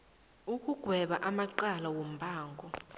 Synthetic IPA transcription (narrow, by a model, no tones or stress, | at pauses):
ukʼuɡ̥ʱwɛɓaʔamaǃalawom̩bʱaːŋɡʱɔ